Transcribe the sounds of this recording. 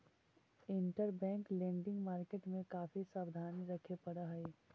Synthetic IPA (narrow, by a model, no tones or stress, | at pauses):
ɪ̃ɳʈəɾbɛ̃ːŋklẽːɳɖɪ̃ŋɡmaːɾkeːʈmẽkaːfisaːbd̪ʱaːniɾɐkʰepɐɽaɦɛi